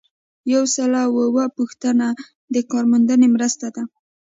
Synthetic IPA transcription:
jawsalawəwapuxt̪əna | d̪əkɑɾmand̪ənemɾəst̪ad̪a

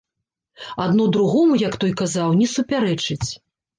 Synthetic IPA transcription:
ad̪nud̪ɾuɣɔmujɐkt̪ɔjkazawnʲɛsupʲaɾɛt͡ʂɨt͡sʲ

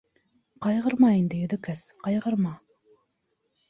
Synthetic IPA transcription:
qɑjʁəɾmɑind̪ɪjyðɪkʰɛsqɑjʁəɾmɑ

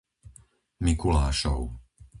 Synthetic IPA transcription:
mikulaːʃɔ̰ʊ

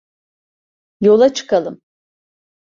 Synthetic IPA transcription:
jo̞lˠat͡ʃʰɯ̥kalˠɯm

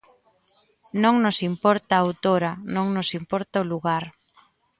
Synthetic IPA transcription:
nõŋnosimpɔɾt̪aawt̪oɾɐnõŋnosimpɔɾt̪aʊluɣaɾ

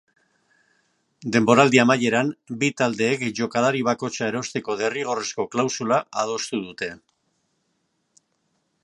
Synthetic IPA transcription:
d̪e̞mbo̞ɾald̪iamaje̞ɾanbit̪ald̪e̞ːkʝo̞kalaɾiβ̞ako̞t͡ʃae̞ɾo̞st̪e̞ko̞ðe̞riɣ̞o̞re̞sko̞klawsulaað̞o̞st̪uðut̪e̞

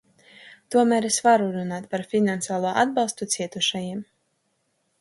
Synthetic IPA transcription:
t̪uɔmæːɾesvaɾuɾunaːt̪paɾfʲinansaːlˠuɔʔad̪bɑlˠst̪ut̪siɛt̪uʃajiɛm

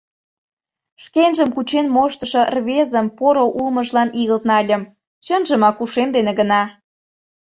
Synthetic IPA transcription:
ʃkenʒə̆mkut͡ɕenmoʃt̪əʃɤ̆rβezə̆mpoɾoʔulməʒlɑniɣəlt̪nɑlʲə̆m | t͡ɕənʒəmɑkuʃemd̪eneɣə̆nɑ

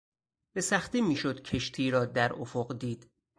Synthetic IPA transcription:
besæxt̪iːmiːʃod̪cʰe̞ʃt̪ʰiːɾɒːd̪æɾofoɢd̪iːd̪̥

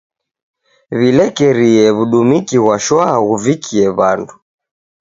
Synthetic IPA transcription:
βilɛkɛɾiɛβuɗumikiɣwaʃwaaɣuvikʰiɛβandu

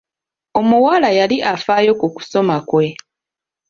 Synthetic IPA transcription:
o̞muwalajaliʔafaːjo̞kuku̥so̞makwe̞

